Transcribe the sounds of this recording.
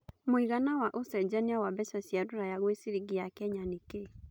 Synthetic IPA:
moiɣanawaʔosɛd͡ʑaneawabɛsasjadoɾajaɣwesiɾiɡiakɛɲanike

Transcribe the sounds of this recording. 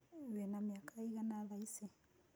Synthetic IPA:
wɛnamiakaiɣanaðaisɛ

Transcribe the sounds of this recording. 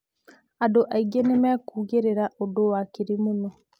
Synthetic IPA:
adoʔaiɡenemɛkuːɣeɾeɾaʔodowakeɾimonɔ

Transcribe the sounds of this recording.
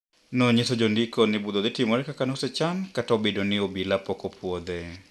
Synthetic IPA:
nɔɲesɔd͡ʒɔndikɔnɪbud̪ɔd̪ɪtimɔɾɛkakanɔsɛt͡ʃankataobedonɪobilapɔkɔpʰwɔd̪ɛ

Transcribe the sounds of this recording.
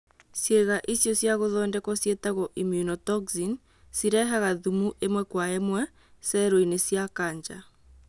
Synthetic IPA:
sjeɣaʔisjɔsjaɣoðɔːndɛkɔsjɛtaɣɔʔimjunɔtɔkzin | siɾɛɦaɣaðumuʔemwɛkwaemwɛ | sɛɾoinesjakaɲd͡ʒa

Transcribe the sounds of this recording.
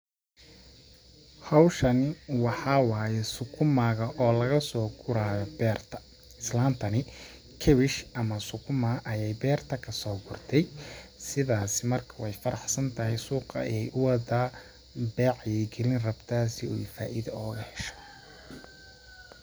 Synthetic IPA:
hɑwʃɐnɪwɑħɑːwaːjɛsʊkʰʊmaːɣɐʔɔːlɐɣɐsɔːɡʊɾaːjɔbɛːrt̪ʰɐ̥ | ɪslaːmt̪ʰɐnɪ | kʰɛβɪʃɐmɐsʊkʰʊmaʔɐjɛjbɛːrt̪ʰɐkʰɐsɔːɡʊrt̪ʰɛjsɪðaːsɪmɐrkʰɐwɛjfɐɾɑħsɐnt̪ʰɐɦɛjsuːqɐ̰ɛjʔʊwɐda | bɛʕjɛɡɛlɪnrɐbt̪ʰaːsɪṵjfaːʔɪðɐɔːɣɐhɛʃɛ̥

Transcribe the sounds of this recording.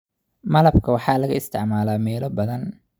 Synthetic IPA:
mɐlɐbkʰɐwɑħɑːlɐɣɐɪst̪ʰɪ̰ʕmaːlaːmɛːlɔbɐðɐn

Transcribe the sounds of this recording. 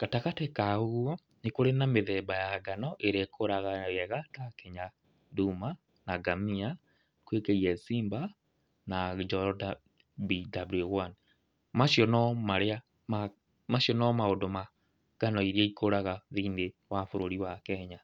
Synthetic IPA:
katakatɛkaoɣwɔ | nekoɾenameðɛbajaɡanɔʔeɾekʰoɾaɣaɛɣatakeɲa | duma | naɡamia | kwekeiɛsiːmba | nad͡ʒɔda | bidabljuɣwan | maʃjɔnɔmaɾea | ma | maʃɔnɔmaodoma | ɡ̥anɔiɾieikoɾaɣaðiːndewafoɾoɾiwakɛɲa

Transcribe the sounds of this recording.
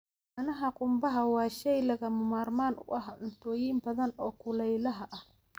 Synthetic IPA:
ɐnɐɦɐqʼʊmbɐɦɐwɑːʃɛjlɐɣɐmʊmaːrmaːnʔʊ̰ʔɐɦʔʊnt̪ʰɔːjiːmbɐðɐnɔːkʰʊlɛjlɐɦɐʔɐh

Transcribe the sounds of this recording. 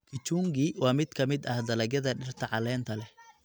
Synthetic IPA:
kʰɪt͡ʃuːŋɡiːwɑːmɪd̪kʰɐmɪd̪ɐhd̪ɐlɐɣɐðɐɖɪrt̪ʰɐʕɑlɛːnt̪ʰɐlɛ

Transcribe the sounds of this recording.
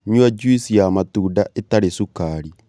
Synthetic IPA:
ɲwad͡ʒuisijamatuːdaʔetaɾesukaɾi

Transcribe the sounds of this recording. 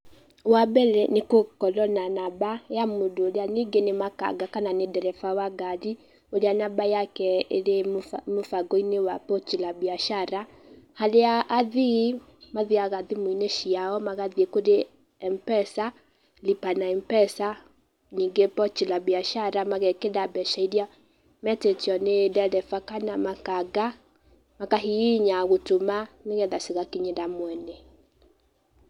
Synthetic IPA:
wabɛlɛnekokɔlɔnanabajamodoːɾeaniŋɡenemaka̰ɡakananedɛɾɛfawaɡaði | oɾeanabajakɛeɾemofaɡɔinewapɔt͡ʃilabiaʃaɾa | haleaʔːði | maðiaɣaðimoineʃiaɔmaɣaðiekoɾe | ɛmpɛsa | lipanaɛmpɛsa | ɲiŋɡepɔt͡ʃilabiaʃaɾamaɣɛkedabɛʃaidja | mɛtetiɔnedɛdɛfakanamakaɡa | makaɦiiɲaɣotomaneɣɛðaseɣakiɲedamwɛnɛ

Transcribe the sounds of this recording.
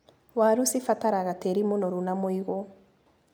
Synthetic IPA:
waɾusifataɾaɣateɾimunɔɾunamoiɣo

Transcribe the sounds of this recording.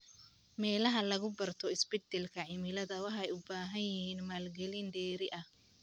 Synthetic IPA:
mɛːlɐɦɐlɐɣʊbɐrt̪ʰɔɪsbɛd̪ɛlkʰɐʕɪmɪlɐðɐwɑħɑɛjʊbaːɦɐnjɪhiːnmaːlɡɛlɪndɛːɾɪʔɐh

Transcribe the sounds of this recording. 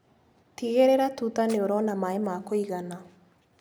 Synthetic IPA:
tiɣeɾeɾatutaneoɾɔnamaemakoiɣana

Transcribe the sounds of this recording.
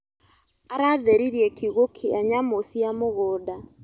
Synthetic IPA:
aɾaðɛɾiɾjɛkʰiɣokʰeaɲamosiamoɣɔːda

